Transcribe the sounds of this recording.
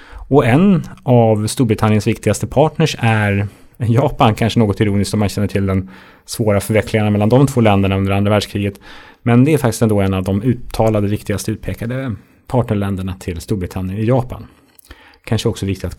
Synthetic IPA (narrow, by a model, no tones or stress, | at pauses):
ɔɛnavst̪uːɾbɾɪt̪ʰanɪənsvɪkt̪ɪɡast̪əpʰɑːʈɳəʂæɾ | jɑːpankʰanʂənoːɡɔt̪ɪɾuːnɪskt̪ɔmːanɕɛnːəʈʰɪld̪ɛn | svoːɾafœɾvɛkʰlɪŋaɳamɛlːand̪ɔmt̪ʰvoːlɛnd̪əɳaɵnd̪əɾand̪ɾavæːɖʂkʰɾiːɡət̪mɛnd̪ɛæɾfak̚t̪ɪ̥st̪ɛnd̪oːɛnːavd̪ɔmʉ̟ːt̪ʰːɑːlad̪əvɪkt̪ɪɡast̪əʉt̪̚pʰeːkad̪ə | pʰɑːʈɳəɭɛnd̪əɳat̪ʰɪlst̪uːɾbɾɪt̪ʰanːjənɪjɑːpa̰n | kʰanʂəɛɔksɔvɪkt̪ɪt̪at̪